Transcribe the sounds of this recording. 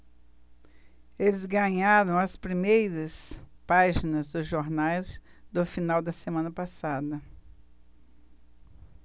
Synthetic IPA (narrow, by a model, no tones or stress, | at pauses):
elɪzɡɐ̃ɲaɾɐ̃w̃ɐspɾimejɾɐspaʒinɐzd̪ʊzʒoɾnajz | d̪ʊfinawd̪ɐsemɐ̃nɐpasad̪ɐ